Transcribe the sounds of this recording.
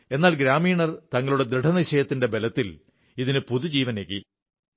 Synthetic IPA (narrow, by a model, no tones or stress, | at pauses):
e̞nːaːlɡɾaːmiːɳɐrt̪ɐŋːɐɭuɽe̞d̪ɾeʈʰɐnɐiɕɐjɐt̪ːinde̞be̞lɐt̪ːil | iðinɨpuðud͡ʑiːʋɐnekːi